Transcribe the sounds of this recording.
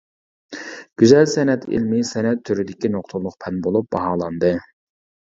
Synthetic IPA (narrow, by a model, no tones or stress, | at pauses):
ɡ̥ʲyzɛlsɛnɛt̪ḭlmɪsɛnɛt̪ʰːyɾyd̪ɪkʲinoqt̪ʰulˠʊqpʰɛnbolˠup̚bɑɦɑːlˠɑnd̪ɨ